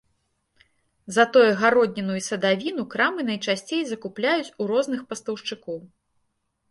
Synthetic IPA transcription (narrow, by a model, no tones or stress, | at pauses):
zɐt̪ɔjuɣaɾɔd̪̚ʲnʲinujusɐd̪avʲinukɾamɨnɐjt͡ʂasʲt͡sʲejzɐkuplʲajut͡sʲuɾɔznɨxpɐst̪ɐwʂt͡ʂɨkɔw